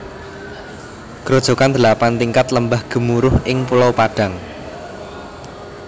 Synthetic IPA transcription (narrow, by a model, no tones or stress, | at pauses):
ɡ̥ɾod̥ʒ̥o̤kand̪̥əlapant̪iŋkat̪ləmbahɡ̥ə̤muɾʊhʔɪŋpulawpaɖ̥ä̤ŋ